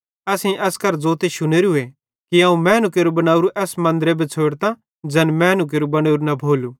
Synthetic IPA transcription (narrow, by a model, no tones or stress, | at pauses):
ɐsĩʔɛskɐɾd͡zoːt̪eʃʊneːɾue | kiãːũmɛ̃ːnuk̬eːɾubɐnaːuɾuʔɛːsmɐ̃nd̪ɾebʱet͡sʰoːɽt̪a | d͡ʒɛnmɛ̃ːnuk̬eːɾubɐñeːɾunɐbʱoːlu